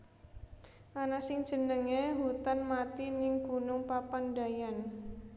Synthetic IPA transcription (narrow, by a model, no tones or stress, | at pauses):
ʔanasɪŋd̥ʒ̥ə̤nəŋeɦut̪anmat̪inɪŋɡ̥ṳnʊŋpapanda̤jan